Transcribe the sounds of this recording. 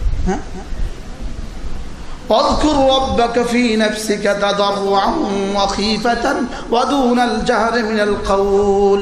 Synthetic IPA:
waðkʊɾɾˤɑbːakafiːnafsɪkat̪ɑd̪ˤɑrˤːʊʕanwɑxiːfat̪an | wad̪uːnald͡ʒahɾɪmɪnalqɑwl

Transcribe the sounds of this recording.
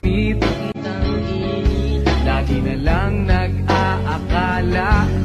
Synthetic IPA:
it̪ | laːɡɪnɐlɐŋnɐɡ̚aʔakaːla

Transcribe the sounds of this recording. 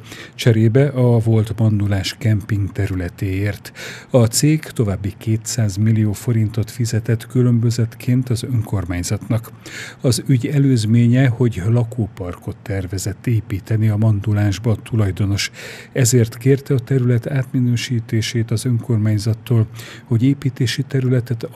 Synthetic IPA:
t͡ʃɛɾeːbɛʔɒvo̞lt̪mɒnd̪ulaːʃkɛmpiŋɡt̪ɛɾylɛt̪eːeːrt̪ɒt̪seːkt̪o̞vaːbːikeːt̪saːzmilːijoːfo̞ɾint̪o̞t̪fizɛt̪ɛt̪kylø̞mbø̞zɛt̪kʰeːnt̪ɒzø̞ŋko̞rmaːɲzɒt̪nɒk | ɒzyɟɛløːzmeːɲɛho̞ɟlɒkʰoːpɒrko̞t̪ːɛrvɛzɛt̪ːeːpiːt̪ɛniɒmɒnd̪ulaːʒbɒt̪ulɒjd̪o̞no̞ʃɛzeːrt̪keːrt̪ɛɒt̪ɛɾylɛt̪aːt̪minøːʃiːt̪eːʃeːt̪ɒzø̞ŋko̞rmaːɲzɒt̪ːoːl | ho̞ɟeːpiːt̪eːʃit̪ɛɾylɛt̪ɛt̪

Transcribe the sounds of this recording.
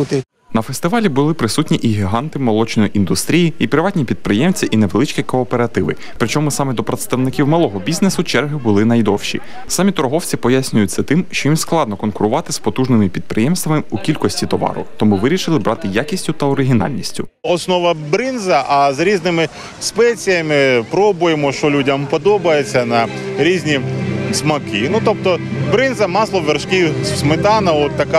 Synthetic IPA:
ut̪ɪ | nɐfest̪ɪʋɑlʲibʊlˠɪpɾɪsutʲnʲiʔiɦʲiɦɑnt̪ɪmɔlˠɔt͡ʃnɔjiʔind̪ʊst̪ɾʲijiipɾɪʋɑtʲnʲipʲid̪̚pɾɪjɛmt͡sʲɐʔinɛʋelˠɪt͡ʃkʲikɔːpeɾɐt̪ɪʋɪ̰ | pɾɪt͡ʃɔmʊsɑmɛd̪ɔpɾɐt̪st̪ɐwnɪkʲiwmɐlˠɔɦɔbʲiznesʊt͡ʃɛrɦɪbʊlˠɪnɐjd̪ɔwʃḭ | sɑmʲit̪ɔɾɔɦɔwt͡sʲipɔjasʲnʲʊjʊt͡s̪ʲːɛt̪ɪmʃt͡ʃɔjimsklˠɑd̪nɔkɔnkʊɾʊʋɑt̪ɪspɔt̪uʒnɪmɪpʲid̪̚pɾɪjɛmst̪ʋɐmɪukʲilʲkɔsʲtʲit̪ɔʋɑ̰ɾʊ̰t̪ɔmuʋɪɾʲiʃɪlˠɪbɾɑt̪ɪjakʲisʲtʲʊt̪ɐɔɾɪɦʲinɑ̰lʲnʲisʲtʲʊɔsnɔʋɐbɾɪnzɐʔɐzɾʲiznɪmɪ | spɛt͡sʲijɐmɪpɾɔbʊjemɔʃt͡ʃɔlʲudʲɐmpɔd̪ɔbɐjet͡sʲːɐnɐɾʲizʲnʲismɐkɪnut̪ɔp̚t̪ɔbɾɪnzɐmɑslˠɔʋerʃkʲiwsmɪt̪ɑnɐɔt̪ːɐka

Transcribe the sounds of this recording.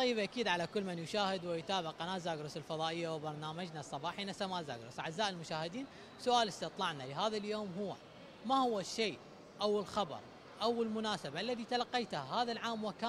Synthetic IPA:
ɑjːɪbʔakiːd̪ʕalakʊlːmɪnjʊʃaːhɪd̪wɪjt̪aːbɪʕʔanaːzaːɡɾˤʊsɪlfɑðˤɑːʔɪjːawɪbɑɾˤnaːmad͡ʒnasˤːɑbɑːħinasamaːza̰ːɡɾʊ̰sʕazːaːʔɪlmʊʃaːhɪd̪iːn | sʊʔaːlɪst̪ɪt̪ˤlɑʕnalɪɦaːðaljoːmɦʊwːa̰ | mahʊwːaʃːiː | ʔawɪlxɑbɑ̰ɾˤ | ʔawɪlmʊnaːsabaʔalːaðit̪alɑqːejt̪hahaːðalʕaːmwɪka

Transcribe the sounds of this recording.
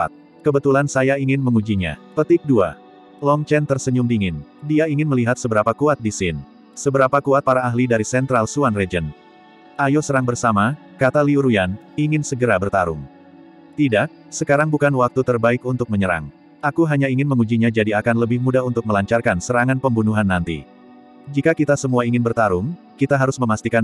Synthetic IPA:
a̰t̪̚ | kəbət̪ulansajaiŋɪnməŋud͡ʒiɲa̰pət̪ɪk̚dua̰ | lɔŋt͡ʃɛnt̪ərsəɲʊmdiŋɪndiaiŋɪnməliɦat̪̚səbəɾapakuat̪̚disɪn | səbəɾapakuat̪̚paɾaːɦlidaɾisɛnt̪ɾalsuanrɛd͡ʒən | ajosəɾaŋbərsama | kat̪aliuɾujan | iŋɪnsəɡəɾabərt̪aɾʊŋ | t̪idaʔ | səkaɾaŋbukanwak̚t̪ut̪ərbaɪkunt̪ʊk̚məɲəɾa̰ŋ | ʔakuɦaɲaiŋɪnməŋud͡ʒiɲad͡ʒadiakanləbɪhmudaɦunt̪ʊk̚məlaɲt͡ʃarkansəɾaŋanpəmbunuɦanːant̪ḭ | d͡ʒikakit̪asəmuaiŋɪnbərt̪aɾʊŋ | kit̪aɦaɾʊsməmast̪ikan

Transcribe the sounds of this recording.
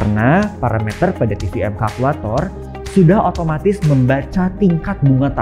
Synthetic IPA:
rnapaɾamɛt̪ərpadat̪ifiɛmkakulat̪ɔr | sudahɦot̪omat̪ɪsməmbat͡ʃat̪iŋkat̪̚buŋat̪a

